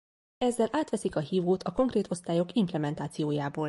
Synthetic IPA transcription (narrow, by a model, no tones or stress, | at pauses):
ɛzːɛlʔaːt̪ʋɛsikɒɦiːvuːt̪ʰɒko̞ŋkreːt̪o̞st̪aːjo̞kimplɛmɛnt̪aːt̪sijoːjaːboːl